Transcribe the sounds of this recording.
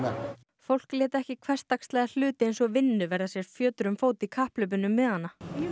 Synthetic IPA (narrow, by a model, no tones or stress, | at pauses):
a | fowl̥klɛːt̪ɛhcɪkʰvɛr̥st̪akst̪lɛːɣðal̥ʏːt̪ɪejnsɔɣvɪnːʏvɛɾðasjɛɾ̥fjœːt̪ɾʏmfoːwt̪ikʰahplʏp̬ʏnʏmːɛðhanːa